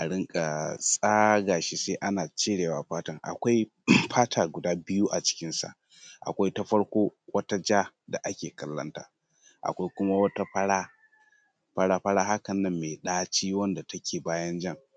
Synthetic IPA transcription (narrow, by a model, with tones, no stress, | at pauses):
ʔa˨ɽɪ˦ŋkʼa˨sʼaː˦ɡaː˨ʃi˦seː˦ʔa˦naː˨t͡ʃeː˦ɽeː˨waː˨ɸaː˦tɐ˦˨ŋʔa̰˨kʷa˦j | ɸʰaː˦tʰaː˨ɡʷʊ˨daː˦bɪ˦juː˦ʔa˨t͡ʃɪ̥˦kʲɪ˦nsa̰˨ʔ | ʔa̰˨kʷa˦jtɐ˦ɸɐ˦ɽkʷoː˦wɐ˦ta˦d͡ʒaː˦ | da˨ʔa˦kʲeː˨kɐ˦lːɐ̰˦nta̰ː˦ | ʔa̰˨kʷa˦jkʷʊ˦ma˦wɐ˦ta˦ɸɐ˦ɽaː˦ | ɸɐ˦ɽaː˦ɸɐ˦ɽaː˦ɦa˦kɐ˨nːɐ˦mːeː˨ɗaː˦t͡ʃiː˦wɐ˦nda˨tɐ˦kʲʰeː˨baː˦jɐ˦nd͡ʒɐ˦ŋ